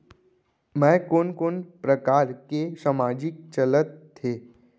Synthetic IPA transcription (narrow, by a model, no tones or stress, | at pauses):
mɛ̃konkonpɾəkaɾkesamad͡ʒɪk̚t͡ʃələt̪ʰːe